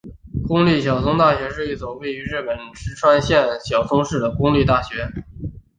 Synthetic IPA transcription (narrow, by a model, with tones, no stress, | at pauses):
kʊ˥ŋli˥˩ɕ̬jɑ˨˩ʊt͡sʰʊ˥ŋt̪a˥˩ɕɥɛ˧˥ʂɻ̩˥˧i˥˩t͡sʊ˨˩ŋwe˥˩ɪy˧˥ɻɻ̩˥˩pə˨˩nʈ͡ʂɻ̩˧˥ʈ͡ʂʰwa˥nɕjɛ˥˩nɕjɑ˨˩ʊt͡sʰʊ˥ŋʂɻ̩˥˩d̪ə˩kʊ˥ŋli˥˧t̪a˥˩ɕɥɛ˧˥